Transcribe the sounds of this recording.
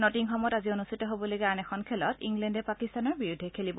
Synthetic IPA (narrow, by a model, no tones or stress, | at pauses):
nɔtiŋxɔmɔjtazionustʰitɔɦobɔlojɡɛanɛkʰɔnkʰɛlɔtiŋɡlɛndɛpakistanɔɹbiɹudʱɛkʰelibɔ